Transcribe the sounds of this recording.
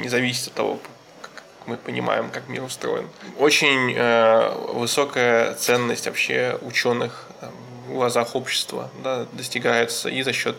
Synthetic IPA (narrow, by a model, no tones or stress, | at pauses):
nʲɪzɐvʲisʲɪ̥t̪ʲɐt̪ːɐvo̞̰ | kak | kmɨpənʲɪ̰ma̰jɪmkakmʲḭɾʊst̪ɾo̞̰jɪ̰no̞t͡ɕɪnʲəvɨso̞kəjət̪sɛnːəsʲtʲvɐ̰pɕːe̞̰ʊt͡ɕo̞nːɨx | am | ʊlˠɐzaxo̞pɕːɪ̥st̪və̰d̪ad̪əsʲtʲɪɡajɪt̪sə̰izɐɕːo̞t̪